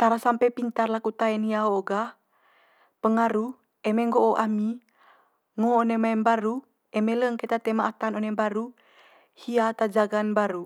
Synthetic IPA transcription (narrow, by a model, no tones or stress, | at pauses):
t̪aɾasampɛpint̪arlakut̪aɛnhiaoːɡa | pəŋaɾu | ɛmeŋɡoʔoʔami | ŋoːnɛmaɛnbaɾu | ɛmeləŋket̪at̪emaʔːt̪anonɛbaɾu | hiat̪ad͡ʒaɡanbaɾu